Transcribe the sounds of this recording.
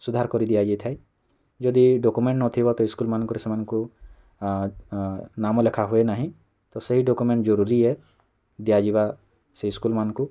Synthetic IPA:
sud̪ʱaɾkɔɾid̪ijad͡ʒit̪ʰae | d͡ʒɔd̪iɖɔkumẽɳʈnɔt̪ʰibɔt̪ɔɪskulmankuɾesmanku | namɔlekʰaɦuenaɦĩ | t̪ɔsɔɦiɖɔkumẽɳʈd͡ʒɔɾuɾiɦɛ | d̪ijad͡ʒiba | seɪskulmanku

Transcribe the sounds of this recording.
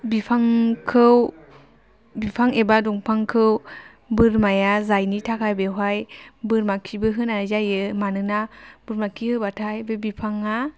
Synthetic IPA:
bipʰaŋkʰɯw | bipʰaŋebadɔŋpʰaŋkʰɯw | bɯɾmajazajnitʰakʰajbeɦajbɯɾmakʰibɯɦɯnazajɯmanɯnab̥ɯɾmakʰihɯbatʰajbebipʰaŋa

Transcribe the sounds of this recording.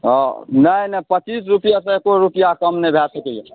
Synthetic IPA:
nəjnəpət͡ʃisɾupijas̬ẽekoɾupijakəmnebʱɛsəkeje

